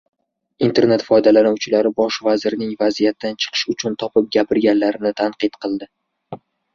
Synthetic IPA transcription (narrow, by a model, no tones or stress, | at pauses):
int̪ʰe̞ɾne̞t̪fɒjd̪alanawt͡ʃʰɪlaɾɪbɒʃvazɪɾnɪŋvazijat̪ːant͡ʃʰɨ̥qʰɨ̥ʃʊt͡ʃʰʊnt̪ʰɒpɪp̚ɡʲapɪɾɡʲanlaɾɪnɪt̪ʰaɴqɨt̪qʰɨlˠd̪ɪ